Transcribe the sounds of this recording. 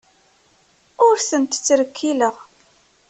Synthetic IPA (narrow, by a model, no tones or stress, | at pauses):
ʊɾsənt̪t͡sːɾəkʰːiləʁ